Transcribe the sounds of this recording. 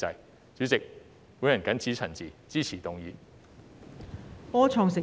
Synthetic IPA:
t͡sɐ˨˧j | t͡sy˨˥t͡sɪ˨k̚ | wuː˨˥jɐ˨˩nkɐ˨˥nt͡sʰiː˨˥t͡sʰɐ˨˩nt͡siː˨t͡siː˥t͡sʰiː˨˩t̪ʊ˨ŋjiː˨˧ | pɔː˥t͡sʰɔː˨˧ŋsɪ˨

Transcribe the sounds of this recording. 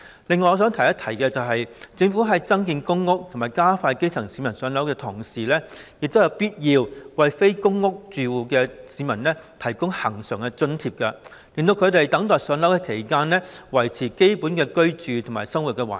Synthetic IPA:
lɪ˨ŋːɔː˧jɔː˧s̬œː˨˥ŋt̪ʰɐ˨˩jɐ˥t̪ʰɐ˨˩jkɛː˧t͡sɐ˨wɦɐ˨jt͡sɪ˧ŋfuː˨˥ɦɐ˨˧jt͡sɐ˥ŋkiː˧nkʊ˥ŋːʊ˥k̚t̪ʰo˨˩maː˨˩jkaː˥faː˧jke˥jt͡sʰɐ˨˩ŋsi˨˥mɐ˨˩nsœː˨˧nlɐ˨˥wkɛː˧t̪ʰʊ˨˩ŋsiː˨lɛː˥jɪ˨k̚t̪wjɐ˨˧wpiː˥t̚jiː˧wwɐ˨jfe˥jkʊ˥ŋːʊ˥k̚t͡ʃyː˨wuː˨˧kɛː˧siː˨˧mɐ˨˩nlɛː˥t̪ʰɐ˨˩jkʊ˥ŋhɐ˨˩ŋsœː˨˩ŋkɛ˧t͡sɵ˧nt̪ʰiː˧p̚kɐ˧ | liː˨nt̪o˧wkʰɵ˨˧t̪e˨jt̪ɐ˨˥ŋt̪ɔː˨˩jsœː˨˥nlɐ˨˥wkɛː˧kʰe˨˩jkaː˥nlɛː˥wɐ˨˩jt͡sʰiː˨˩ke˥jpuː˨˥nkɛː˧kɵ˥ɥt͡ʃyː˨t̪ʰʊ˨˩maː˨˩jsɐ˥ŋwu˨t̚kɛː˧wa̰ː˨

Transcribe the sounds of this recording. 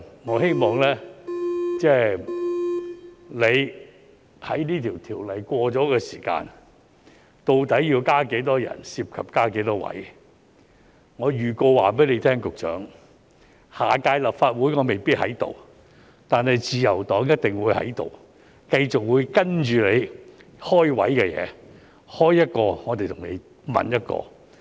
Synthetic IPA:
ŋɔː˨˧he˥jmɔː˨ŋlɛː˥ | t͡sɛ˥˩ | le˨˧j | hɐ̰˨˥jniː˥t̪ʰiː˨˩wt̪ʰiː˨˩wlɐ˨˩jkʷɔː˧t͡ʃɔː˨˥kɛː˧siː˨˩ka̰ː˧n | t̪o˨˧wt̪ɐ˨˥jjiː˧wkaː˥ke˨˥jt̪ɔː˥jɐ̰˨˩nsiː˧p̚kʰɐ˨˩p̚kaː˥ke˨˥jt̪ɔː˥wɐ̰˨˥j | ŋɔː˨˧jyː˨˩ko˧wwaː˨pe˨˥jle˨˧jt̪ʰɛː˥ŋkʊ˨k̚t͡ʃœ̰ː˨˥ŋ | haː˨˩kaː˧jlɐ˨p̚faː˧t̚wuː˨˥jŋɔː˨˧me˨˩jpi˥t̚hɐ̰˨˥jt̪o̰˨w | t̪aː˨nhɐ˨jt͡siː˧jɐ˨˩wt̪ɔː˨˥ŋjɐ˥t̚t̪ɪ˨ŋwuː˨˧jhɐ̰˨˥jt̪o̰˨w | kɐ˧jt͡ʃʊ˨k̚wuː˨˧jkɐ˥nt͡ʃyː˨le˨˧j | hɔː˥jwɐ̰˨˥jkɛ˧jɛ̰ː˨˧ | hɔː˥jːɐ˥t̚kɔː˧ŋɔː˨˧t̪e˨˩jt̪ʰʊ˨˩ŋlḛ˨˧j | mɐ̰˨njɐ˥t̚kɔ̰ː˧

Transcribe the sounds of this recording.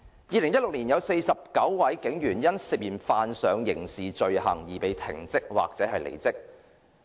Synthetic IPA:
jiː˨˧lɪ˨˩ŋjɐ˥tlʊ˨k̚niː˨˩njɐ˨˧wse˧jsɐ˨p̚kɐ˨˥wwɐ˨˥jkɪ˨˥ŋjyː˨˩njɐ˥nsɪ˨p̚jiː˨˩nfaː˧nsœː˨˧ŋjɪ̰˨˩ŋsiː˨t͡ʃɵ˧ɥhɐ̰˨˩ŋjiː˨˩pe˨˧jt̪ʰɪ̰˨˩ŋt͡sɪ˥k̚wa̰ː˨k̚t͡sɛː˨˧˥ɦɐ˨jlḛ˨˩jt͡sɪ˥k̚

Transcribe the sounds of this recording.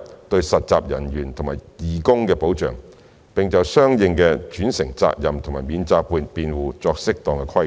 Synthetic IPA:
t̪ɵ˧ɥsɐ˨t̚t͡saː˧p̚jɐ˨˩njyː˨˩nt̪ʰʊ˨˩maː˨˩jjiː˨˩kʊ˥ŋkɛː˧po˨˥wt͡ʃœ̰ː˨˩ŋ | pɪ˨ŋt͡sɐ˨wsœː˥ŋjɪ˧ŋkɛ˧t͡ʃyː˨˥nsɪ˨˩ŋt͡sa̰ː˧k̚jɐ˨mt̪ʰʊ˨˩ŋmaː˨˩miː˨˧˥nt͡saː˧k̚puː˧npiː˨˧nwuː˨˩t͡sɔː˧k̚sɪ˥k̚t̪ɔː˨ŋkɛ˧kʰwɐ˥j

